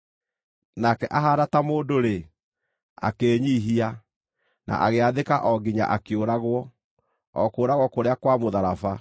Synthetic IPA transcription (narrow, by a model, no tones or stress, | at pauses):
nakɛʔaɦaɾatamoːdoɾe | a̰keːɲiːɦia | nʔa̰ʔaɣeaðekaʔɔɡiɲa̰ʔakeoɾaɣwɔ | ɔkoːɾaɣwɔkoɾeakwamoðaɾafa